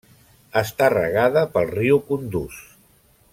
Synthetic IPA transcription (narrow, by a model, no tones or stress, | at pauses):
əst̪arə̰ɣaðəpəlˠriukund̪us